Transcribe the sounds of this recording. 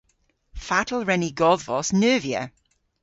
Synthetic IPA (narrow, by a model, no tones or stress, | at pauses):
fatʰəl̩ˠɹɛniɡɔðvɔsnɜːviə̰